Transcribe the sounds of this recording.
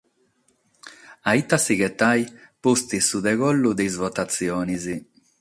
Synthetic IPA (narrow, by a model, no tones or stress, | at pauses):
ait̪asiɡet̪ajpust̪isud̪eɡolːud̪ejzvot̪at̪sjɔːnizi